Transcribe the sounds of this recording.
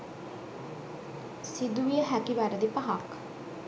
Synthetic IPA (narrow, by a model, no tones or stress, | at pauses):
sid̪uʋiəɦɛkiʋæːɾəd̪ipɐɦak